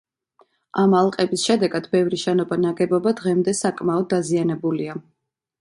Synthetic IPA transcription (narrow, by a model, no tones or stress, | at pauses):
amalˠqʼɛbisʃɛd̪ɛɡad̪̥bɛvɾiʃɛnɔbanaɡɛbɔbad̪ʁɛmd̪ɛsakʼmaɔd̪̚ːazianɛbulia